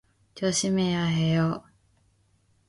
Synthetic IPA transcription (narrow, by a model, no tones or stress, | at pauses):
t͡ɕoɕimejaɦejo